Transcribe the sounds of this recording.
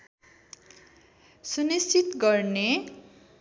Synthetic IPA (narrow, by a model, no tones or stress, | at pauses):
sunist͡ʃit̪ɡʌrne